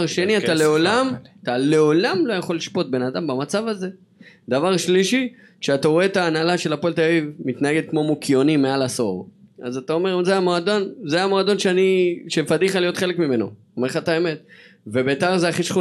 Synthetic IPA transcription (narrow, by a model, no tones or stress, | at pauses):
ʁʃe̞niattaleo̞lamat̪ale̞olamlo̞jaχo̞lːiʃpo̞t̪̚be̞nad̪ambamat͡savaze̞ | d̪avaʁʃliʃi | ʃe̞ataʁoe̞t̪aːnalaʃe̞lapoelt̪aoivmit̪naeɡet̪̚kmo̞mokʰjo̞nimealaso̞̰ʁazat̪ao̞me̞ʁzeajamoad̪o̞nzeajamoad̪o̞nʃeaniʃefadiχalijo̞t̪χe̞lekmime̞no̞̰ | omeχat̪aeme̞tve̞beːt̪aʁzeaχiʃχu